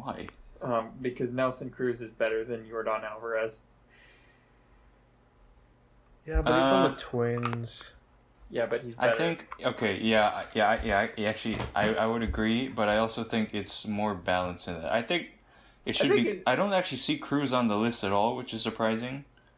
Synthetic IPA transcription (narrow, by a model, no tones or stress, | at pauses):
waɪʌ̃mbɨkʰʌznɛlˠsə̃nkʰɹ̥ʉzɨzbɛɾə˞ðɨ̃njɨə˞ɾə̃nælˠvə˞ʌz | jæbʌʌiz̩ətʰw̥ɪ̃nz̥ | jæbʌt̚hizʔaɪθɪ̃ŋkoʊkʰeɪjæa̰jæaɪjæaɪæk̚t͡ʃʉl̩ˠiʔa̰ɪaɪwɨɾɨɡɹibʌɾaɪɔlˠsoʊθɪ̃ŋkɨtsmɔɹbælˠə̃nsɨ̃nðæ̰ta̰ɪθɪ̃ŋk | ɨtʃɪɨdθ̚ɪbiaɪɾõʊ̃ntæk̚t͡ʃʉl̩ˠisikʰɹ̥ʉzn̩ðəlɪstɨɾɔlˠwɨt͡ʃɨz̥sə˞pʰɹ̥aɪzɪ̃ŋ